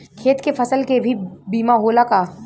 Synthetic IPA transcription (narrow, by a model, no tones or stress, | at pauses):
kʰeːt̪kefɐsəlkebʱibiːmaɦoːlakaː